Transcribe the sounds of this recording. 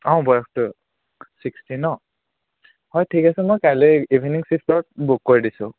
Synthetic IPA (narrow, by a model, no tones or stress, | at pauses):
ɔ̃bɔjɔxtʊ | sikstinɔ | hɔjtʰikasɛmɔjkajleibʱiniŋsipʰtɔt̚bukːoɹidisʊ̰̃